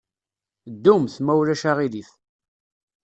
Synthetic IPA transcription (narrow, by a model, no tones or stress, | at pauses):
d̪ːumθmæwlæʃaʁiliθ